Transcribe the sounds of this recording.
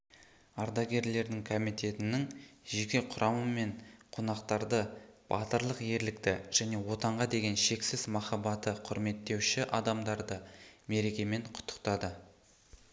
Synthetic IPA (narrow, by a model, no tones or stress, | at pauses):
ɑɾd̪ɑɡʲe̞ɾle̞ɾd̪ɪŋkʰomijt̪e̞t̪ɪnɪŋʒekʲe̞qʰʊɾʔɑməme̞ɴqʰonɑqt̪ɑɾd̪əb̥ɑt̪əɾlˠəqje̞ɾlɪk̚t̪ɪʒ̥æne̞wo̞t̪ɑɴʁɑd̪e̞ɡʲe̞nʃe̞ksɪzmɑχɑbɑt̪əqʰʊɾme̞t̪ːe̞wʃɪʔɑd̪ɑmd̪ɑɾd̪əme̞ɾe̞kʲe̞me̞ɴqʰʊ̥t̪ːə̥q̚t̪ɑd̪ə